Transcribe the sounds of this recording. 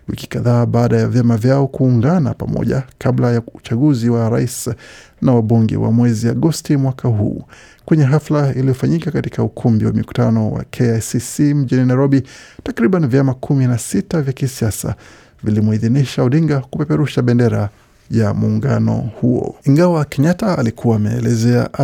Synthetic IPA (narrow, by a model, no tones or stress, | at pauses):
wiki̥kaðaːɓaːɗajavjamavjaɔkuːŋɡana̰pamɔ̰ʄa̰kʰaɓlajaut͡ʃaɠuziwaɾais | nawaɓuŋɡɛ̰wa̰mwɛziaɠɔstimwakʰaɦṵː | kwɛɲɛɦaflailijɔfaɲikakatikaukʰumbiwa̰miku̥tanɔwa̰kʰɛasisim̩ʄininajɾɔɓitakɾiɓanivjamakʰuminasitavjakisiasa̰ | vilimuiðiniʃauɗiŋɡakupɛpɛɾuʃaɓɛndɛɾa | jamuːŋɡa̰nɔ̰huɔ̰iŋɡawakɛɲataːlikʰuwaːmɛ̰ːlɛzɛa̰ʔ